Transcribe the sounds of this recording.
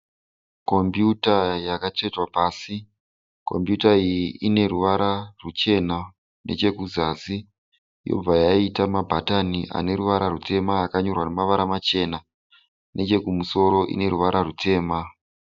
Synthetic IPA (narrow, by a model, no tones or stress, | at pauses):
ko̞mbjutajakat͡ʂe̞twapaːsi | ko̞̰mpjutaijiʔine̞ɾuʋaɾʔarut͡ʃe̞na | nʔe̞̰t͡ʃe̞kuzazi | jo̞̰b͡vajaitamabʱataniʔa̰ne̞ɾuʋaɾarutʰe̞maːkaɲo̞rwanemaʋaɾamat͡ʃe̞na | nʔe̞t͡ʃe̞kumuso̞ɾo̞ʔḭne̞ɾuʋaɾʔarutʰe̞ːma